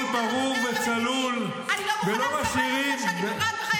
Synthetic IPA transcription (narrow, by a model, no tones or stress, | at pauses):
baʁuvet͡salul | belomaʃiʁimbe